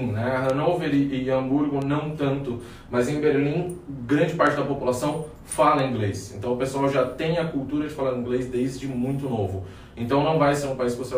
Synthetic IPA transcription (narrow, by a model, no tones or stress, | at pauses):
nɛɦɐ̃nowveɾɪːɐ̃buɾɡʊnɐ̃w̃t̪ɐ̃nt̪ʊ | mɐzẽj̃beɾlĩɡɾɐ̃nd͡ʒɪpaɾt͡ʃɪd̪ɐpopulasɐ̃w̃ | falɐ̃ĩŋɡlesẽnt̪ɐ̃w̃ʊpesuawʒat̪ẽj̃ɐkuwt̪uɾɐd͡ʒɪfalaɾ̃ĩɡlezd̪ejzd͡ʒɪmũj̃t̪ʊnovʊ | ẽnt̪ɐ̃w̃nɐ̃w̃vajseɾũpaiskɪvose